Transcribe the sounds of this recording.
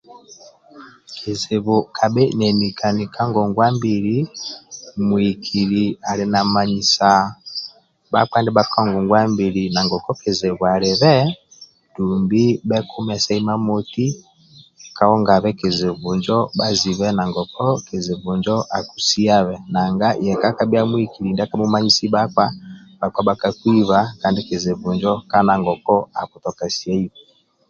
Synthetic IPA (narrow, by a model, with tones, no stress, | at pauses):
kʰi˨ze˨βu˨kʰa˨ɓɛ˦nɛ˨ni˨kʰa˨ni˨kʰa˦ŋɡɔ˨ŋɡwa˦mbi˨ɾi | mwi˨kʰi˨ɾi˨a˨li˨na˨ma˨ɲi˨sa˨ | ba̰˦kwa˦ndɛ˦ba˦ka˦ŋɡɔ˨ŋɡwa˦mbi˨ɾina˨ŋɡɔ˨kɔ˦ke˨ze˨βwa˨lɛ˨βɛ˦ | du˨mbi˦bɛ˦kʰu˦mɛ˨sa˦i˦ma˦mo˦ti˦ | ka˨ɔ˦ŋɡa˨βɛ˦ke˨ze˨vu˨ɲd͡ʒɔ˦ba˦zi˨βɛ˦na˨ŋɡɔ˨kʰɔ˦ke˨ze˨βu˨ɲd͡ʒɔ˦ʔa˨ku˨si˦a˦βɛ˨na˨ŋɡa˦jɛ˨ka˦ka˦bi˦a˦mwi˦ki˨li˨nda˦ka˦mu˦ma˦ɲi˦si˦ba˦kwa˦ba˨kwa˦ba˨ka˨kwi˦βa˨ka˦ndi˦ke˨ze˨βu˨ɲd͡ʒɔ˦ka˦na˨ŋɡɔ˨kɔ˦a̰˨ku˨tɔ˨ka˨si˨a˦i˦βɛ˨